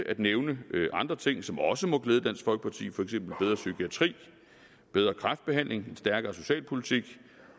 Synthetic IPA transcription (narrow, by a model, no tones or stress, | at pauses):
ʔæd̥neʊnəʔɑ̈nd̥ʁɐt͡sʰe̝ŋ̰sɒ̽mɒ̽səmɒ̽ɡ̥leːð̞ˠd̥æn̰sfɒ̽lɡ̥ə̥pʰɑ̈t͡sʰḭːfɒ̽eɡ̥sem̰b̥l̩b̥eð̞ˠʁɐsykʰiæt͡sʰʁḭː | b̥eð̞ˠʁɐkʰʁɑ̈fd̥̚b̥e̝ɦæn̰lʔe̝ŋe̝nsd̥æɐɡ̥ɐːso̝ɕɛ̰ːlpʰo̝lit͡sʰiɡ̥